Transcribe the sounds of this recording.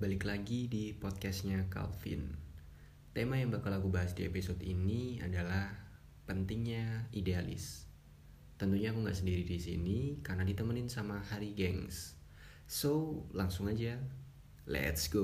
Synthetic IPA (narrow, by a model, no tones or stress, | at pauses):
balɪklaɡidipɔt̪̚kɛsɲaka̰lfɪ̰n | t̪emajaŋbakalaɡubaɦasdiepisɔt̪inia̰dalah | pənt̪ɪŋɲaidealɪ̰s | t̪ənt̪uɲaːkuŋɡa̰ʔsəndiɾidisḭnikarnadit̪əmənɪnsamahaɾiɡɛŋs | solaŋsʊŋad͡ʒa | lɛ̰t̪sɡo